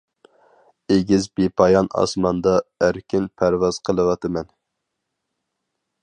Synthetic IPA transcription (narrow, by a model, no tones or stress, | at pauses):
eɡʲizbepʰɑjɑnɑ̰smɑnd̪ɑæɾkʲinpʰæɾwɑz̥qʰəlˠɨwɑt̪ɨmɛn